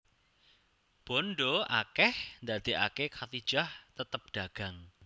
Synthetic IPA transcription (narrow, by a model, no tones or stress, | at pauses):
b̥ɔnɖoʔa̰kɛhnd̪ad̪̥i̤ʔakekʰat̪id̥ʒ̥aht̪ət̪əp̚ɖ̪̥aɡ̥ä̤ŋ